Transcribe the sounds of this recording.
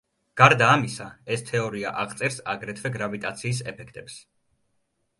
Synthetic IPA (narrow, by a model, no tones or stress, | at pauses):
ɡ̥aɾd̪aːmisaɛst̪ʰɛɔɾia̰ʔaʁt̪sʼɛɾsaɡɾɛt̪ʰvɛɡɾavit̪ʼat̪sʰiːsɛpʰɛkʰt̪ʼɛps